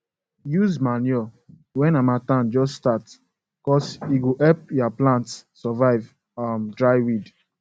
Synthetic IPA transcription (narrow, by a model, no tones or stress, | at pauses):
juzmanɔ | wɛ̃namatãnd͡ʒɔsstat | kɔsiɡoʔɛp̚japlãntssɔvaɪv | amdɹaɪwid